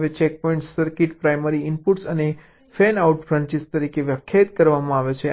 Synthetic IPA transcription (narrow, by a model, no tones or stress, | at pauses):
ʋet͡ʃɛk̚pɔĩɳʈssəɾkiʈpɾajməɾiɪmpuʈsəne | fɛnauʈfɾãɲt͡ʃist̪əɾikeʋjəkʰjat̪kəɾʋamãaʋet͡ʃʰe